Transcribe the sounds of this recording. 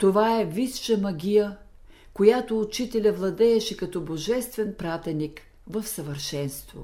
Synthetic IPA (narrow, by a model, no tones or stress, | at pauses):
t̪ovaɛvisʃəmɐɡʲijə | kojat̪oːt͡ʃit̪ɛlʲɐvlˠɐd̪ɛːʃɛkɐt̪ɔboʒɛst̪vɛnpɾat̪ɛnik | vɐfsɐvəɾʃɛnst̪vo̰